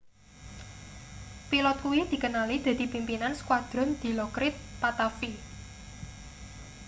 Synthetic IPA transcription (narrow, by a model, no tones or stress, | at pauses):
pilɔt̪̚kuwid̪̥i̤kənalid̪̥a̤d̪̥i̤pimpinansə̥kwad̪̥ɾɔnd̪̥i̤lɔkɾɪt̪̚pat̪afi